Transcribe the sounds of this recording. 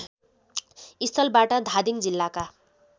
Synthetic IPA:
ist̪ʰʌlbaʈʌd̪ʱad̪iŋd͡zilːaka

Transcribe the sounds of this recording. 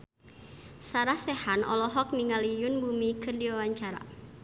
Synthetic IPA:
saɾahsɛhanʔɔ̰lɔɦɔk̚niŋalijunbumikɨrdiwawaɲt͡ʃaɾa̰

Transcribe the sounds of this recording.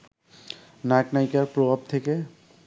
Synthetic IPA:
naknajkaɹpɹobʱab̚t̪ʰeke

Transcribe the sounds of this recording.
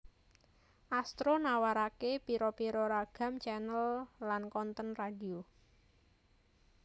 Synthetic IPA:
ʔast̪ɾonawaɾakepiɾopiɾoɾaɡ̥a̤mt͡ʃɛnəllankɔnt̪ənradio

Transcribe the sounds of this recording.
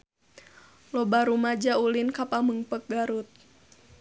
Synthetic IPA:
lɔbaɾumad͡ʒaulinkapaməŋpək̚ɡaɾut̪̚

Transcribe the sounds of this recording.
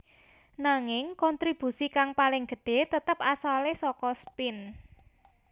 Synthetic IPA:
naŋɪŋkɔnt̪ɾib̥ṳsikaŋpalɪŋɡ̥ə̤ɖ̥e̤t̪ət̪əp̚asalesɔkɔspɪn

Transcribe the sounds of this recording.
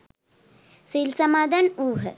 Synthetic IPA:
silsɐmaːd̪anuːɦə

